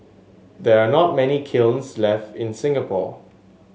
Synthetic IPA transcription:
dɛɹanɔt̚mɛnikʰɪlnslɛftɪ̃nsɪ̃ŋɡəpʰɔ̰

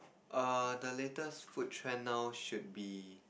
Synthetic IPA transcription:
ʔadəletəsfut̚ʰːɹɛ̃nːawʃut̚bi

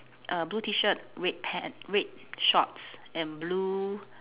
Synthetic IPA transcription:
ʔəbluːtʰiʃət̚ɹet̚pʰɛ̃nɹet̚ | ʃɔ̰t̚sɛ̃nblu

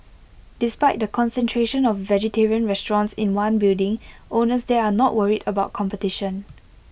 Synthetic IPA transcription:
d̥ɪspaɪt̚dəkʰɔ̃nsɛ̃ntʰɹeʃə̃nɔfːɛd͡ʒətʰeɹiə̃nɹɛstɹɔ̃nsɪ̃nwãnbildɪ̃ŋʔonəsdeanɔʔwəɹidəbaʊt̚kʰɔ̃mpətiʃə̃n

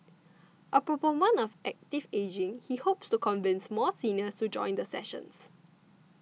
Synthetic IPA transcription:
ʔəpɹopomə̃nɔfʔɛk̚tived͡ʒɪ̃ŋhihopstukɔ̃nvɪ̃nsmɔsĩnəstud͡ʒɔ̰̃ɪ̃nd̪əsɛ̰ʃə̰̃ns

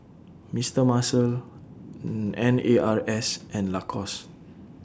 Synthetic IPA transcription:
mistəmasəl | ɛ̃neʔaɹɛsʔɛ̃nlakʰɔs

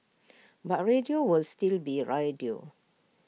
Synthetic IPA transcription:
bat̚ɹediowilstilbiɹajdio̰

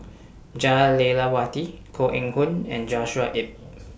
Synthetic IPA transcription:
d͡ʒalelawatikʰoʔɛ̃ŋhũnɛ̰̃nd͡ʒɔʃuaʔip̚

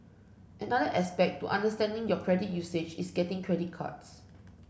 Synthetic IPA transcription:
ʔɛ̃nadəʔɛspɛk̚tuʔã̰ndəstɛ̃ndɪ̃ŋjɔkʰɹɛdit̚jused͡ʒisɡɛtɪ̃ŋkʰɹɛdit̚kʰa̰ts

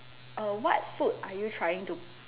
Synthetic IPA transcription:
əwɔt̚fut̚ajutʰɹaɪjɪ̃ŋtu

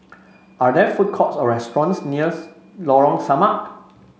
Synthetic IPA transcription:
ʔadɛfut̚kʰɔtsɔɹɛstɹɔ̃nsniə | lɔɹɔ̃ŋsamaʔ

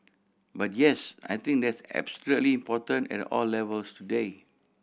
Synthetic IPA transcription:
bat̚jɛsa̰jt̪ĩŋk̚dɛtsɛ̰bslɛtliĩmpɔtə̃nɛ̰tɔ̰lːɛvəlstude

